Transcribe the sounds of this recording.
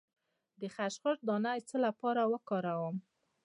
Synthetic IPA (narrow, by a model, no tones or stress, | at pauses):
d̪əxaʃχəɾ̚d̪ɑnajt͡səlapɑɾawəkɑɾawəm